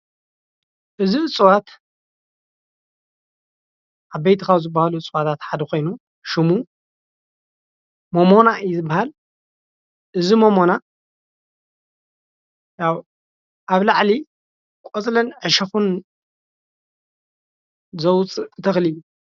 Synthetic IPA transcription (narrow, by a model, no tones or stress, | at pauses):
ʔɨziɨt͡sʼwat̪ | ʔaβbejt̪ʰikʰawzɨbːahaluɨt͡sʼwat̪ʰat̪ħad̪ɐko̞jnu | ʃɪmu | momo̞naɨjzɨbːahal | ʔɨzimomo̞na | jaw | ʔaβlaʕli | kʼot͡sʼlɐnʕɨʃɐxun | zɐwt͡sʼɨt̪ʰɐxliju